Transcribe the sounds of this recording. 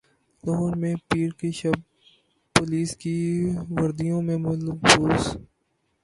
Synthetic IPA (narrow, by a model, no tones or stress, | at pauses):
loɦɾmẽpiːɾkeʃɐb̚ | poːliːskiʋɐɾd̪ijõmẽmɐlbuːs